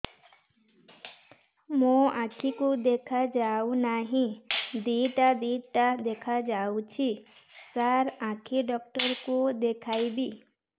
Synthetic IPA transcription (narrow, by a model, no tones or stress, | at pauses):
mõãkʰikud̪ekʰad͡ʒawnaɦĩd̪iʈad̪iʈad̪ekʰad͡ʒawt͡ʃʰi | saɾãkʰiɖɔk̚ʈɔɾkud̪ekʰajbi